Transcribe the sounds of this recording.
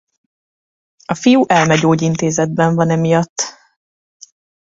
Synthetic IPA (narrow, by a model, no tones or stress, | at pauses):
ɒfijuʔɛlmɛɟoːɟint̪eːzɛd̪̚bɛɱvɒnɛmijɒt̪ː